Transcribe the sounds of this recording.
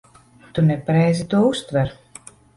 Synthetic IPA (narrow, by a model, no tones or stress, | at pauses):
t̪unɛpaɾɛjzit̪uɔust̪vɛɾ